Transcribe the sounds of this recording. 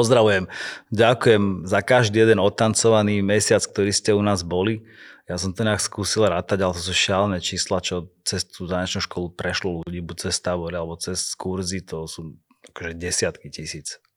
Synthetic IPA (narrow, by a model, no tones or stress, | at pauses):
pɔzd̪ɾaʋujɛmɟakujɛmzakaʒd̪iːjɛd̪ɛnɔt̪ant͡sɔʋaniːmɛsɪat͡sk̚t̪ɔɾiːscɛunaːzbɔli | jasɔmt̪ɔɲaːkskuːsilɾaːt̪aɟalɛt̪ɔs̬uːʃalnɛt͡ʃiːslat͡ʃɔt͡sɛst̪uːzaːɲɛt͡ʃnuʃkɔlupɾɛʃlɔluuɟiːbut͡sɛst̪aʋɔɾialɛbɔt͡sɛskuɾzit̪ɔsuː | akɔʒɛɟɛsɪat̪kicisiːt͡s